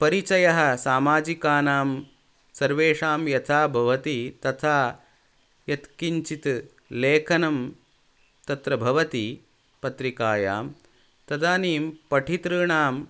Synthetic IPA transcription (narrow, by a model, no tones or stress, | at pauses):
pɐɾit͡ʃɐjɐɦɐ̆saːmaːd͡ʒikaːnaːm | sɐɾʋeːʂaːmjɐt̪ʰaːbʱɐʋɐt̪it̪ɐt̪ʰaː | jɐt̪kiɲt͡ʃit̪ | leːkʰɐnɐm | t̪ɐt̪ɾɐbʱɐʋɐt̪i | pɐt̪ɾikaːja̰ːm | t̪ɐd̪aːniːmpɐʈʰit̪ɾɨːɳaːm